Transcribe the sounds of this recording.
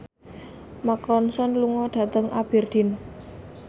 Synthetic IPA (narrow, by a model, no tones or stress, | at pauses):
makɾɔnsɔnluŋɔɖ̪̥ä̤t̪əŋʔab̥ird̪̥i̤n